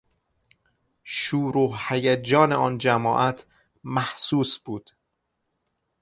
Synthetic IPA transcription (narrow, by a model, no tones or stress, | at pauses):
ʃuːɾuːhhæjæd͡ʒɒːneɒːnd͡ʒæmɒːʔæt̪ʰ | mæhsuːsb̥uːd̪̥